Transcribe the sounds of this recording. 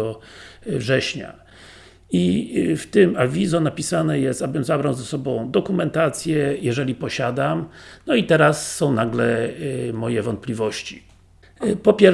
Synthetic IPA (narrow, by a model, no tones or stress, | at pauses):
ɔvʐɛɕɲa̰ | ift̪ɘmavʲizɔnapʲisanɛjɛst̪abɘmzabɾawzɛsɔbɔ̃w̃d̪ɔkumɛnt̪at̪sʲjɛjɛʐɛlʲipɔɕad̪amnɔit̪ɛɾasːɔ̃w̃naɡlɛmɔjɛvɔnt̪̚plʲivɔɕt͡ɕi̥ | pɔpʲjɛ